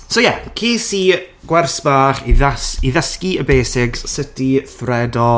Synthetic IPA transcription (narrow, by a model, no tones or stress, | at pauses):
sojɛkʰiːsiː | ɡ̥wɛrsb̥aːχiðasiðəskiəbeːsɪɡssɪtiθrɛdɔ